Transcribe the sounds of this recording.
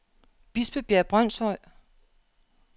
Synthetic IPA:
b̥isb̥əb̥jæɐb̥ʁɶn̰sɒɪ̰

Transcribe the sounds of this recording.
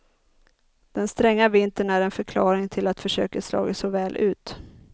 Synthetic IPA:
d̪̥ɛnst̪ɾɛŋːavɪnt̪əɳæɾɛnfœɾkʰlɑːɾɪŋt̪ʰɪlat̪fœʂø̰ːkaslɑ̰ːɡasɔvɛːlʔʉ̟ːt̪

